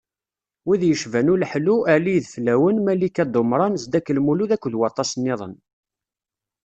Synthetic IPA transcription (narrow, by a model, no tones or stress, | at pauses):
wiðjəʃvænulħluæliðflæwənmælikːæd̪ˤomɾˤɑnzd̪ækːəlmuluðækʷːðwɑt̪ˤːɑsnːɪðˤə̰n